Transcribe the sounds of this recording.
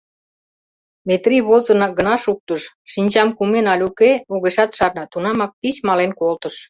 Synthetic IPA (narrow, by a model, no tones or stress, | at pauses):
met̪riβozə̆nɑɡənɑʃuk̚t̪əʃʃinʲt͡ɕɑmkumenɑlʲukeuɣeʃɑt̪ʃɑrnɑt̪unɑmɑk̚pit͡ɕmɑlenkolt̪ə̆ʃ